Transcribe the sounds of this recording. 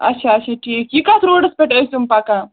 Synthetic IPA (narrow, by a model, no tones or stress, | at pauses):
ɐ̰tːɕʰaətːt͡ʃʰaʈʰiːkːikasɾoɽəspeʈəst̪umpakã